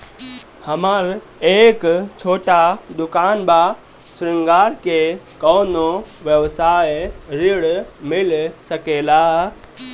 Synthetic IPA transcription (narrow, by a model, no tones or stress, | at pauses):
hɐmaɾ | eːkt͡ʃʰoːʈad̪ʊkaːnba | sɾɪ̃ŋɡaːɾkekoːnoʋjəʋsaːjɾɪɭmɪlsəkeːlaː